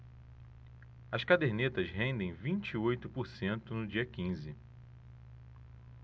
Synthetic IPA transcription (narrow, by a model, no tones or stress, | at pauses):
ɐskad̪eɾnet̪ɐzɦẽnd̪ẽj̃vĩnt͡ʃiojt̪ʊpoɾsẽnt̪ʊnʊd͡ʒiɐkĩzɪ